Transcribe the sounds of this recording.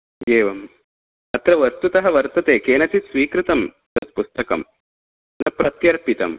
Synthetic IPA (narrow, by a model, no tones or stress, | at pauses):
eːʋɐm | ɐt̪ɾɐʋɐɾt̪ut̪ɐɦɐʋɐɾt̪ɐt̪eːkeːnɐt͡ʃ̪isʋiːkɾit̪ɐm | t̪ɐt̪̚pust̪ɐkɐ̰m | nɐpɾɐt̪jɐɾpit̪ɐ̰m